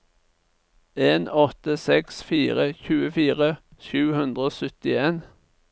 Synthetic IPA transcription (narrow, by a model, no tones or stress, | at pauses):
eːnɔt̪əsɛksfiːʁəçʉːəfiːʁəʃʉːhʉnd̪ʁəoːsʏt̪ɪeːn